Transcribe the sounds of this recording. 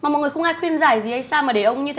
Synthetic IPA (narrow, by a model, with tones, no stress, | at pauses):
maː˨˩mɔ̰˨ŋɨ˨˩ə˩xə˧wŋ͡mʔaː˧jxwi˧ənzaː˧˩jzi˨˩ha˧jsaː˧maː˨˩ɗe˨˧˩ʔə˧wŋ͡mɲɨ˧t̪ʰe˨˦